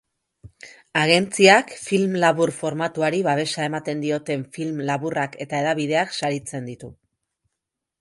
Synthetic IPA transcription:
aɣ̞e̞nt͡siakfilmlaβurfo̞ɾmat̪uaɾiβaβ̞e̞sae̞mat̪e̞nd̪io̞t̪e̞ɱfilmlaβurake̞t̪ae̞ðaβið̞e̞aksaɾit͡se̞nd̪it̪u

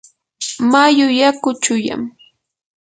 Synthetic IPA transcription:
majʊjakʊt͡ʃʊja̰m

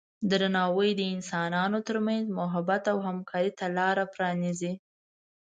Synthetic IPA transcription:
d̪əɾanɑwəjd̪əɪnsɑnɑnot̪əɾmanzmʊɦabat̪awɦamkʰɑɾit̪alɑɾapɾɑnizi

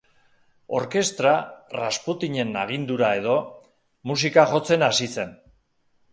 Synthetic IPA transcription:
o̞ɾke̞st̪ɾarasput̪iɲe̞naɣ̞ind̪uɾae̞ð̞o̞ | musikaʝo̞t͡se̞nasise̞n

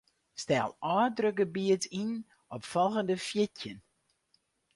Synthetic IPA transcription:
stɛ̰lˠɑːdrøkəbiətin | ɔpfɔlˠɣəndəfjɪtjən

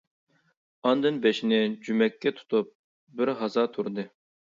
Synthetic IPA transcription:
ɑnd̪ɨnbeʃinɪd͡ʒymɛkʲʰːɛt̪ʰu̥t̪ʰup̚ | bɪɾɦɑzɑːt̪ʰuɾd̪ɨ

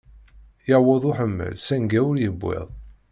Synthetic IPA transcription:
jəwoðˤʊħəmːə̰lsæŋɡæwʊɾjəbːḛðˤ

